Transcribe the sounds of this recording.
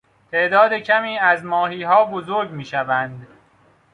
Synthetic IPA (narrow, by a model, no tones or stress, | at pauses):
t̪ʰe̞ʔd̪ɒːd̪ecʰæmiːæzmɒːɦiːɦɒːbozoɾɟmiːʃævænd̪